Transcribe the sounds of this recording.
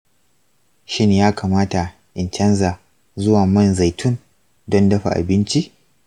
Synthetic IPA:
ʃɪ˦n˨jaː˦kaː˨maː˦ta˨ | ʔɪ˨nt͡ʃɐ˦nzaː˨ | zʊ˦waː˨mɐ˦˨nza˨jtʰʊ˦n | dɔ˦ndɐ˦ɸa̰˨ʔa̰˨bɪ˦nt͡ʃi˦ʔ

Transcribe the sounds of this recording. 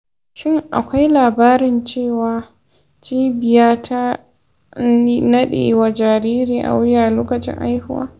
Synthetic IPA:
ʃɪ˦˨ŋʔa̰˨kʷa˦jlaː˨baː˦ɾɪ˨nt͡ʃeː˦˨waː˨ | t͡ʃiː˦bɪ˨jaː˦tʰa˦ | nɐ˦ɗḛː˨˦˨wa˨d͡ʒaː˨ɾiː˦ɾiː˨ʔa̰˨wʊ˦jaː˨loː˦kɐ˨t͡ʃɪ̰˦ŋʔa̰˦jhʊ˦wa̰ː˦

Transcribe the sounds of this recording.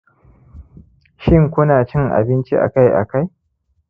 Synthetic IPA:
ʃɪ˦ŋkʷʊ˦naː˨t͡ʃɪ˦ŋʔa̰˨bɪ˦nt͡ʃi˦ʔa̰˨ka˦jʔa̰˨ka˦j

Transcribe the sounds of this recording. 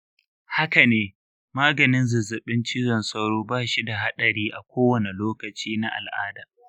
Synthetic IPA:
ha˦ka˨neː˦ | maː˦ɡɐ˨nɪ˦nzʊ˨zɐ˨ɓɪ˦nt͡ʃiː˦zɐ˨nsɐ˦wɽoː˦baː˦˨ʃi˦da˨ɦa˦ɗɐ˨ɽiː˦ʔa˨kʷʰoː˦wɐ˨ne˨loː˦kɐ˨t͡ʃiː˦na˦ʔa̰˨lʔaː˦da˨

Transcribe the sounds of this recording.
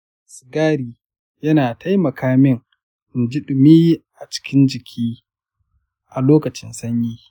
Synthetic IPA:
sɪ˨ɡaː˦ɾiː˨ | jɐ˦naː˨tʰa˦jmɐ˨kʰaː˦mɪ˦ŋ˨ | d͡ʒɪ˦ɗʊ˨miː˦ʔa˨t͡ʃɪ̥˦kʲɪ˦nd͡ʒɪ˨kʲʰiː˦ | ʔa˨loː˦kɐ˨t͡ʃɪ˦nsɐ˦ɲjiː˦

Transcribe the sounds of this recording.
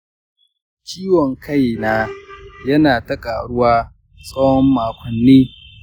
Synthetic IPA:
t͡ʃiː˦wɔ˨ŋkʰa˦˨jnaː˦jɐ˦naː˨tɐ˦kʼaː˨ɽʊ˦waː˦ | sʼɐ˦whɔ˦mːaː˨kʷɔ˨nːiː˦

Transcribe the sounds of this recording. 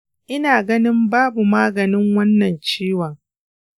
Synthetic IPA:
ʔɪ˦naː˨ɡɐ˦nɪ˦mbaː˦bu˨maː˦ɡɐ˨nɪ˦ŋwɐ˦nːɐ˨nt͡ʃeː˦wɐ˨ŋ

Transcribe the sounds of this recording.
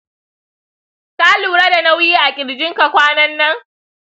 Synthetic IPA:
taː˦luː˨ɽa˦da˨na˦wjiː˦ʔa˨kʲʼɪ˨ɽd͡ʒɪ˦ŋka˨kʷaː˦nɐ˦nːɐ˦ŋ

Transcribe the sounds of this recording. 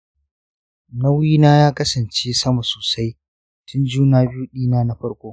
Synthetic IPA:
nɐ˦wiː˦naː˦jaː˦kɐ˦sɐ˨nt͡ʃeː˦sɐ˦ma˨soː˨sa˦j | tʰʊ˦nd͡ʒuː˦naː˨bɪ˦ju˦ɗiː˦naː˦na˦ɸɐ˦ɽkʷoː˦

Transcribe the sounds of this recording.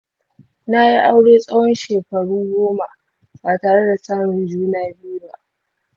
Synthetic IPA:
na˦ji˦ʔa˦wɽeː˦sʼa˦wɔ˦nʃeː˨kɐ˨ɽu˦ŋɡʷoː˦ma˨ | baː˨taː˨ɽe˦da˨saː˦mɪ˨nd͡ʒuː˦naː˦bɪ˦ju˦ba̰˨ʔ

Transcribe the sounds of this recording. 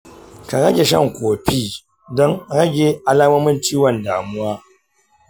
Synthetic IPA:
ka˨ɾɐ˦ɡʲe˨ʃɐ̰˦ŋkʷoː˨ɸiː˦˨ | dɔ˦ŋɾɐ˦ɡʲe˨ʔa˦laː˦mɐ˦mɪ˦nt͡ʃiː˦wɐ˨ndaː˨mʊ˦waː˦

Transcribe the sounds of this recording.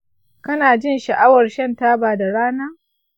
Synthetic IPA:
kɐ˦naː˨d͡ʒɪ˦˨nʃɐ˨ʔa˦wɐ˨rʃɐ˦ntaː˦baː˨da˨ɽaː˦naː˦

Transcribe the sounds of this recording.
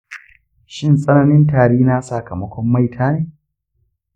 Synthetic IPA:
ʃɪ˦nsʼɐ˦nɐ˦nɪ˦ntaː˨ɽeː˦na˦saː˨kɐ˨mɐ˦kʷɔ˦mːa˦˨jtʰaː˦neː˨

